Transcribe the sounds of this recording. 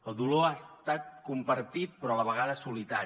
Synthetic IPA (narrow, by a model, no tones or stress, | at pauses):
əlˠd̪uloast̪at̪̚kumpəɾt̪it̪̚pɾɔləβəɣ̞aðəsulit̪a